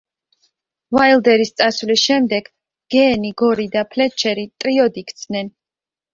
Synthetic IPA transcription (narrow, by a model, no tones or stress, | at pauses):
vailˠd̪ɛɾist̪sʼasvlisʃɛmd̪ɛɡ̥ | ɡ̥ɛːniɡɔɾid̪apʰlɛt͡ʃʰɛɾit̪ʼɾiɔd̪ikt̪sʰnɛn